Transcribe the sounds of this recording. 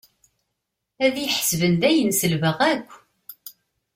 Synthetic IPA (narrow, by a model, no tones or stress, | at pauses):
æðjəħsvənd̪æjənsəlvəʁækʷː